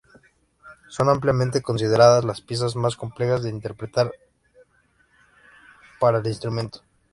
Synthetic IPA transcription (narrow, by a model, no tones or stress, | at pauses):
so̞nampljamẽnt̪e̞ko̞ns̬ið̞e̞ɾaðazlaspje̞s̬azmasko̞mplexazðe̞int̪e̞ɾpɾe̞t̪aɾ | paɾaelinst̪ɾumẽ̞nt̪o̥